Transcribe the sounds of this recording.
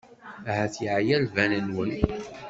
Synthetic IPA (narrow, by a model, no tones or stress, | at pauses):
æɦæθjiʕjælvænənwən